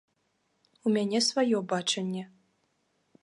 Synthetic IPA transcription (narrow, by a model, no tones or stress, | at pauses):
umʲanʲɛsvajɔbat͡ʂɐnʲːɛ